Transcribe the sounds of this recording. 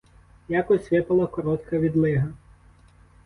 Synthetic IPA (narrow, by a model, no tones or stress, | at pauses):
jakɔssʲʋɪpɐlˠɐkɔɾɔt̪kɐʋʲid̪lˠɪɦɐ